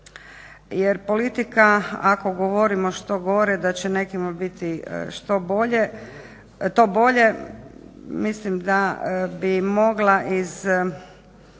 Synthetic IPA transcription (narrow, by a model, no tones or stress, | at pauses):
jeɾpo̞lit̪ikaako̞ɡoʋoɾimo̞ʃt̪o̞ɡo̞ɾed̪at͡ɕene̞kimabit̪ḭʃt̪o̞bo̞ʎe | t̪o̞bo̞ʎe̞ | mislimd̪abimo̞ɡlaʔiz